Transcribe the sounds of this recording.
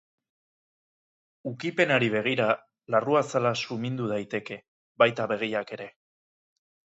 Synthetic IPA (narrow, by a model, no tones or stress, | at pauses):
ukipe̞naɾiβ̞e̞ɣ̞iɾa | laruasalasumind̪uð̞ajt̪e̞ke̞ | bajt̪aβe̞ɣ̞iake̞ɾe̞